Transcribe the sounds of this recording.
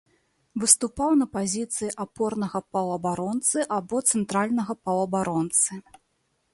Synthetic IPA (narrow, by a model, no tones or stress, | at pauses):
vɨst̪upawnɐpazʲit̪sɨjiʔapɔrnɐɣɐpɐwɐbaɾɔnt̪sɨʔabɔt̪sɛnt̪ɾalʲnɐɣɐpɐwɐbaɾɔnt̪sɨ